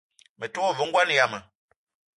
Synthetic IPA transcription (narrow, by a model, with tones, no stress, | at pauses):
mə˨tɔ˦ɔ˦və˨˦ŋ̩˦ɡwa˦n˨ja˨mə˨